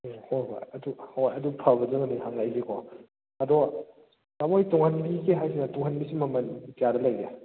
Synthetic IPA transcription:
hojɦo̰jɐduhojɐdupʰabɐzɯŋɐniɦaŋlajzikʰɔ | ɐdɔ | tamojtɔŋhanbiɡeɦajs̬inɐtɔŋhanbisimɐmɐntijadɐlajɡe

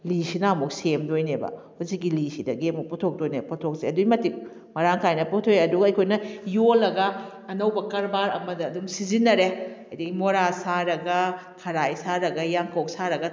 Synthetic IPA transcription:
lisinɐɐmuk̚semdojnebɐ̰ | huzikːilisidɐɡiɐmuk̚putʰok̚dojneputʰok̚seɐdujmɐtip̚ | mɐɾaŋkʰajnɐputʰojeɐduɡɐɐjkʰojnɐjolːɐɡɐː | nɐwbɐkɐɾbaɾɐ̰mɐdɐːdumsizinːɐɾehɐjdɐɡimoɾasaɾɐɡɐ | kʰɐɾajsaɾɐɡɐjaŋkʰɐwk̚saɾɐɡɐ

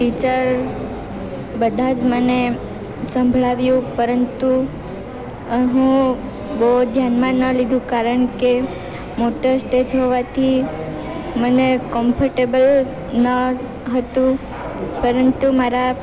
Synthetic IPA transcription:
ʈit͡ʃəɾ | bəd̪ʱad͡ʒməne | sə̃mbʱɭaʋjũpəɾənt̪u | ɦũ | bod̪ʱjanmãnəlid̪ʱũkaɾəɳke | moʈəsʈed͡ʒɦoʋat̪ʰi | mənekɔmfəɾʈebəl | nə | ɦət̪ũ | pəɾənt̪umaɾa

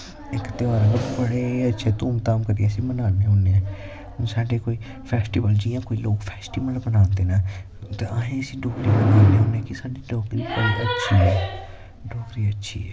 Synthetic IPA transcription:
ɪkt̪ɪaːɾəɡəɾbəɽeːətːʃʰeːt̪uːmt̪aːmkəɾiəsĩːmənãːneɦõːneːɛ̃ː | saːɖeːkoːiː | pʰɛːsʈiːʋəld͡ʒiːjãːkoːiːloːkpʰɛːsʈiːbəlbənãːnd̪eːnaː | t̪eəɦẽːəsĩːɖɔːkɾiːmənãːneːɦõːneɛːkɪsaːɖiːɖɔːkɪnpəɽiːʔətːʃʰiːɦɛː | ɖɔːkɾiːətːʃʰḭːɛ

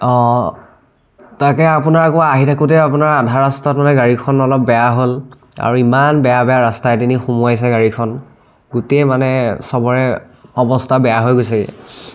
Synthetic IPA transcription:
ɔ̃ | takɛapunaɹakʊaɦitʰakutɛapunaɹadʱaɹastɔtmanɛɡaɹikʰɔnɔlɔp̚bɛjaɦol | a̰ɹuimanbɛjabɛjaɹastajdinixumɔjajs̬ɛɡaɹikʰɔn | ɡutejmanɛsɔbɔɹɛ | ɔbɔstʰabɛjaɦojɡojsaɛ̰

